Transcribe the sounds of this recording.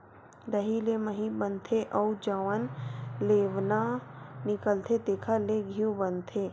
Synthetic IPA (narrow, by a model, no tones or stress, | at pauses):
ɾəɦileməɦĩbənt̪ʰeʔɔud͡ʒəʋənleːʋnanɪkəlt̪ʰet̪eːkʰaleɡʱijũbənt̪ʰe